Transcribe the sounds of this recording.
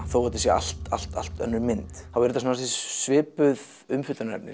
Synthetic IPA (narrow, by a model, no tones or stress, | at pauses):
θowat̪ːɪ̥sjɛa̰l̥t̪a̰l̥t̪a̰l̥t̪œ̰nːʏɾmɪnt̪θawvɛɾʏt̪as̬anaθisvɪːpʏð | ʏmfʏt̪anɛ̰pnɪ̰